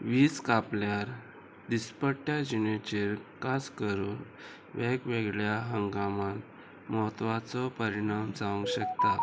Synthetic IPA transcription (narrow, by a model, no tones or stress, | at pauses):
ʋiːskapljaɾ | d̪ispəʈjad͡ʑinet͡ɕiɾkaskəɾuːn | ʋekʋeɡɭjaɦəŋɡamãn | mɔt̪ʋat͡sɔpəɾiɽ̃amd͡zaʋə̃ŋɡɕəkt̪a